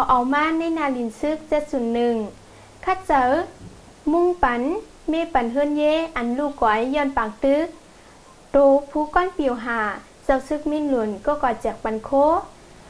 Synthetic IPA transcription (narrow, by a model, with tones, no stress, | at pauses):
kʰa˨˧˩wʔa˨˩wmaː˧˥˨na˧˥˨jnaː˧˨li˧˩˨nsɯ˧˥k̚se˧˦t̪̚su˧˩˦nːɯ˧˩ŋ | kʰa˧˥˩t̪̚t͡ɕa˧˦w | mu˧˨ŋpa˨˦n | meː˧˨pa˨nɦɤː˧˥˨njeː˧˥˨ʔa˨nluː˧˩kɔ˨˦jːɔː˧˩˨npaː˨˩ŋ̚t̪ɯ˧˦k̚ | t̪oː˧˦pʰuː˧˦kɔ˧˥˨npi˨wɦaː˧˩ | sa˧˦wsɯ˧˦k̚mi˧˥˨nlu˨˩ənkɔː˧˦kɔ˧˩t͡ɕɛː˨˩k̚pa˨nkʰoː˧˥˨